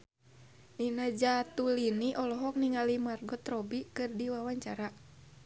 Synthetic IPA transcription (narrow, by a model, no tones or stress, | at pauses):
ninad͡ʒat̪uliniʔɔlɔɦɔk̚niŋalimarɡɔt̪ɾɔbikɨrdiwawaɲt͡ʃaɾa